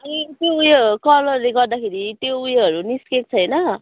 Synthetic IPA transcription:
ʌnit̪joujʌkʌlʌrleɡʌrd̪akʰeɾit̪joujʌɦʌɾuniskek̚t͡sʰʌjnʌ

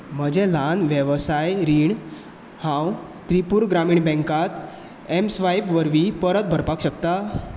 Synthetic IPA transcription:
m̤əd͡ʑẽlanʋjəʋsajɾiːɳ | hãw | t̪ɾipuːɾɡɾamiːɳbɛ̃ŋkat̪ | emsʋajpʋəɾʋipəɾət̪̚bʱəɾpakɕəkt̪a

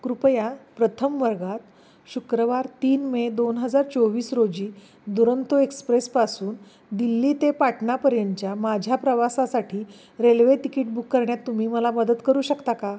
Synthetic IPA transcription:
kɾupjapɾət̪ʰəmʋəɾɡat̪ | ɕukɾəʋaɾt̪iːnmed̪onɦəd͡zaɾt͡soʋiːsɾod͡ʑiː | d̪uɾənt̪uekspɾespasuːn | d̪ilːiːt̪epaʈʰɳapəɾjəɲt͡ɕjamad͡ʑʱjapɾəʋasasaʈʰiː | ɾelʋeʈikiʈ̚bukːəɾɳjat̪ːum̤iːməlaməd̪ət̪kəɾuːɕəkt̪aka

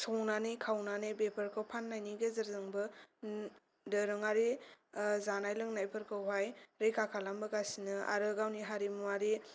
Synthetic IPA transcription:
sɔŋnanekʰawnanebepʰəɾkʰawpʰanːajniɡezɐɾzɯŋbɯ | dɯɾɯŋaɾi | zanajlɯŋnajpʰɯɾkʰɯwɦajɾejkʰakʰalambɯɡasinɯa̰ɾɯɡawniɦaɾimuaɾi

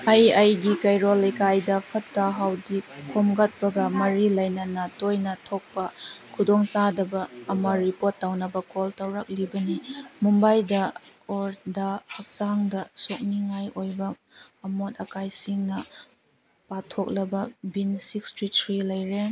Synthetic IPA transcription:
ajajdikɐjɾolekajdɐpʰɐtːɐɦawdikʰomɡɐt̚pɐɡɐmɐɾilɐjnɐnɐtojnɐtʰok̚pɐkʰudɔŋt͡ʃadɐbɐːmɐɾipotːawnɐbɐkoltɐwɾɐk̚libɐnimumbajdɐoɾdɐhɐk̚saŋdɐsok̚niŋajojbɐɐmot̚ɐkajsiŋnɐ | patʰok̚lɐbɐbinsikstɾitʰɾilɐjɾe

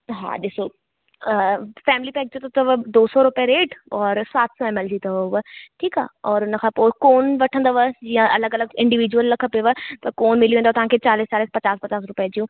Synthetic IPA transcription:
ɦa̰ːɗ̪ɪso | fɛːmɪlipɛːk̚d͡ʒõt̪ɐt̪ɐʋɐd̪oːsɔɾʊpjaɾeːʈɔːɾsaːt̪ʰsɔɛmɛld͡ʒit̪ɐʋʋəʈʰiːka̰ːɔːɾʊnə̆kʰãːpoːkoːnʋɐʈʰə̃nd̪aʋəd͡ʒijãʔɐləɡɐləɡɪ̃ɳɖiʋiːd͡ʒuwəlːɐkʰəpeʋət̪ɐkoːnmɪliẽnd̪at̪ɐɦãkʰet͡ɕaːliːst͡ɕaːliːspɐt͡ɕaːspɐt͡ɕaːsɾʊpjad͡ʑijũː

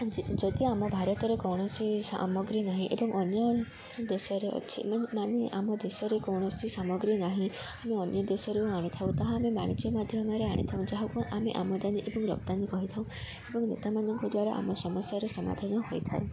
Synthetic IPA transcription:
d͡ʒid͡ʒɔd̪iamɔbʱaɾɔt̪ɔɾekɔwɽ̃ɔsisa̰mɔɡɾinaɦĩʔebɔŋɔnjɔ | d̪esɔɾeɔ̰t͡ʃʰḭmamaneʔamɔd̪esɔɾekɔwɽ̃ɔsisamɔɡɾinaɦĩ | ameɔnjɔd̪esɔɾeuaɽ̃it̪ʰaũt̪aɦaːmemaɽ̃id͡ʒjɔmad̪ʱjɔmaɾea̰ɽ̃ḭt̪ʰaũd͡ʒaɦɔkuʔameʔa̰mɔd̪aniʔebɔŋɾɔ̰bt̪anikɔɦit̪ʰaw̃ | ebɔŋnḛt̪amanɔŋkɔd̪waɾaʔa̰mɔsɔmɔsjaɾesɔma̰d̪ʱanɔɦojt̪ʰae

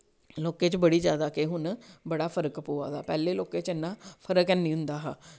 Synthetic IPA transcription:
loːkeːt͡ʃbəɽiːzjaːd̪aːkeɦʊnbəɽaːpʰəɾəkpoːa̰ːd̪a̰ːpɛːleːloːkeːt͡ʃɪnːãːpʰəɾəkɛnːĩːɦʊ̃nd̪aːɦaː

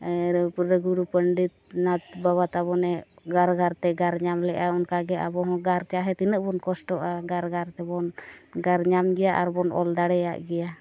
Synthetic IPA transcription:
ɾpuɾɾəɡuɾupəɳɖit̪̚nat̪̚baβat̪abɔnɛɡaɾɡaɾt̪ɛɡaɾɲamlɛʔaunkaɡɛa̰bɔɦɔ̃ɡaɾt͡ʃaɦɛt̪inəʔ̚bɔnkɔsʈɔʔaɡaɾɡaɾt̪ɛbɔnɡaɾɲamɡɛjaʔaɾbɔnʔɔ̰ld̪aɽɛja̰ʔɡɛja

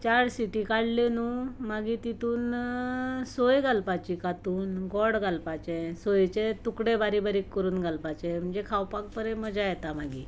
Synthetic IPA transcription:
t͡ɕaɽsiʈikaɽlenumaɡit̪it̪uːn | sojɡalpat͡ɕikat̪uːnɡɔɽɡalpat͡ɕẽsojt͡ɕet̪ukɽebaɾibaɾiːkːəɾuːnɡʱalpat͡ɕem̤əɳd͡zekʰawpak̚pəɾeməd͡zajɛt̪amaɡi

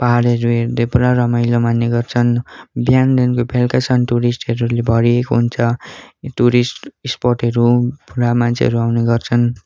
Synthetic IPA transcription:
paɦɽʌɾuɦeɾd̪ʌpuɾarʌmʌjlomanːeɡʌrt͡sʰʌnbjandenkopʰelkat͡sʰʌnʈuɾisʈʌɾulebʱʌɾiekoɦunt͡sʰʌʈuɾisʈisporʈɦʌɾupuɾamant͡sʰḛʌ̰ɾuawneɡʌrt͡sʰʌn

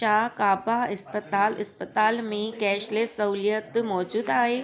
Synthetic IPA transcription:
t͡ʃaːkaːbaɐspət̪aːlɐspət̪aːlmẽkɛːʃlesɐuljət̪mɔːd͡ʒuːd̪aːɦeː

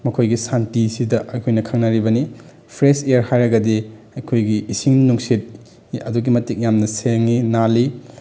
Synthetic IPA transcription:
mɐkʰojɡisantisidɐʔɐkʰojnɐkʰɐŋnaɾibɐni | pʰɾesejɐɾhajɾɐɡɐdi | ɐjkʰojɡiːsiŋnuŋsit̚ | ɐduɡimɐtik̚jamnɐseŋinali

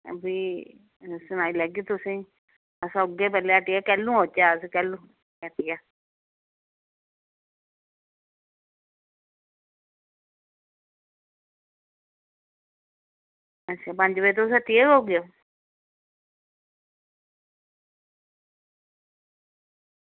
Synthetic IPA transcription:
biː | sʊnaːilɛːɡit̪ʊsĩː | əsʊɡeːpɛːleaʈɪjaːkɛːlũːɦoːt͡ʃaːskɛːlũː | jaʈijaː | ət͡ʃaːpəɲd͡ʒbəit̪̬osət̪ːiːeɡoːɡɪjoː

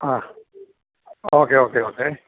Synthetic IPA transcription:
a | oːkeːoːkeoːkeː

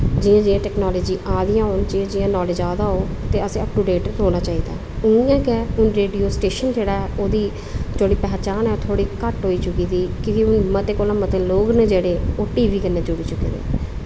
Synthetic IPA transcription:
d͡ʒɪjãːd͡ʒɪãːʈɛːknɔːləːd͡ʒiːʔaːd̪ɪjãːɦoːnd͡ʒiãːd͡ʒɪjãːnɔːled͡ʒaːd̪aːɦoː | t̪eːəsẽəp̚ʈuːɖeːʈɾɦoːnaːt͡ʃaːiːd̪a̰ː | ʊɪjãːkɛːʊnɾeːɖioːsʈeːʃənd͡ʒeːɽaːɛːʔoːd̪iː | d͡ʒoːɽiːpɛːt͡ʃaːnɛːoːt̪ʰoːɽiːkəʈɦoːiːt͡ʃʊkiːd̪iːkĩːkiʊnmət̪eːkoːlãːmət̪eːloːɡneːd͡ʒeːɽeːoːʈiːʋiːkənːeːd͡ʒʊɽiːt͡ʃʊkːḛːd̪ḛː

